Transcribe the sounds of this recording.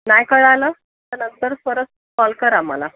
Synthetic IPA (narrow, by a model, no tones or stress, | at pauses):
najkəɭaləː | t̪ənənt̪əɾsʋəɾət͡s | kɔlkəɾamə̰la